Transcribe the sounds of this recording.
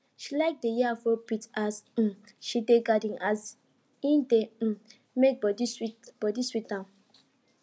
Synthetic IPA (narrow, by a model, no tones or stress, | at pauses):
ʃilaɪk̚dejiafɔpitas̩ | ʃideɡadĩŋʔas | ĩndẽ | mek̚bɔdiswitb̥ɔdiswitnã